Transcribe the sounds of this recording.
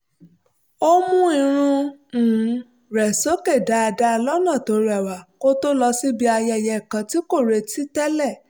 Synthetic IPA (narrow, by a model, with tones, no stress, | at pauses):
o˦mũ˦i˧ɾ̃ũ˧˨˦ | ɾɛ˨so˨˦ke˦˨da˨˦a˧da˦˧lɔ˦nã˦˨to˨˦ɾɛ˨wa˨ko˦to˦lɔ˧si˦bi˧a˧jɛ˧˨jɛ˧˨kã˨˦ti˦ko˦˨ɾe˧ti˦tɛ˦lɛ˦˨